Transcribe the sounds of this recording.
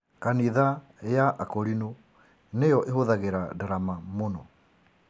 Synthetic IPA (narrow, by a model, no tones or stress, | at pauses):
kaniða | jaʔakɔɾino | nejɔʔehoðaɣeɾadaɾamamonɔ